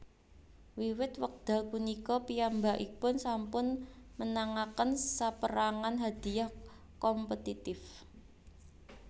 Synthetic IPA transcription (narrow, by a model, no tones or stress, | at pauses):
wiwɪt̪wək̚d̪̥a̤kunikɔpijambaʔipʊnsampʊnmənaŋakənsapəɾaŋanɦad̪̥i̤jah | kɔmpət̪it̪ɪf